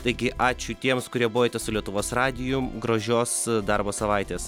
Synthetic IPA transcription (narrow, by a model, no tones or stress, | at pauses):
t̪ɐɪɡʲɪʔɑːt͡ʃʲʊt̪ʲiɛmskʊɾʲiɛboːjoːt̪ʲɛsʊlʲiɛt̪ʊʋoːsrɑːd̪ʲɪjʊɡɾoːʒʲoːsd̪ɐɾboːsɐʋɐɪt̪ʲeːs